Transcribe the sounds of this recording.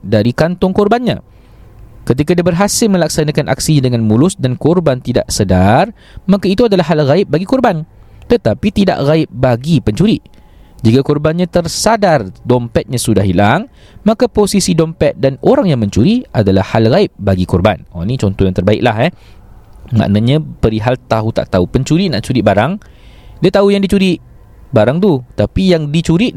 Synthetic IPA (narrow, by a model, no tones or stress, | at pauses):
daɾikant̪ʊŋkɔrbanɲã̰ | kət̪ikadiabərɦasɪlmə̃lak̚sanakanʔa̰ksiɲadəŋãnmulʊsdankɔrbant̪ida̰ʔsədar | makait̪uadalaɦːalɣaɪp̚baɡikɔrbant̪ət̪apit̪ida̰ʔɣaɪp̚baɡipəɲt͡ʃuɾi | d͡ʒikakɔrbanɲãt̪ərsadardɔmpɛt̪̚ɲãsudaɦilaŋ | mãkaposisidɔmpɛt̪̚danoɾaŋjaŋmə̃ɲt͡ʃuɾiʔadalahːalɣaɪp̚baɡikɔrba̰nɔ̰nĩt͡ʃɔnt̪ɔhjaŋt̪ərbaɪ̰ʔ̚lahɛ | ma̰ʔnaɲãpəɾiɦalt̪aɦut̪a̰ʔt̪aupəɲt͡ʃuɾiʔnaʔt͡ʃuɾiʔbaɾaŋ | diat̪aujaŋdit͡ʃuɾiʔ | baɾaŋt̪ut̪apijaŋdit͡ʃuɾiʔ